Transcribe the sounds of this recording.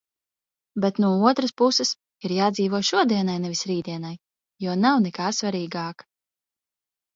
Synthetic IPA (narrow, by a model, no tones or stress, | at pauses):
bɛt̪nuɔuɔt̪ɾaspusɨs | iɾjaːd̪ziːvuɔʃuɔd̪iɛnajnɛvʲisɾiːd̪iɛnaj | juɔnawnɛkaːsvaɾiːɡaːk